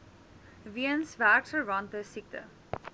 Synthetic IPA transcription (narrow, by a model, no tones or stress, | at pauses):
viənsvæːktəɹɐntəsik̚tə̰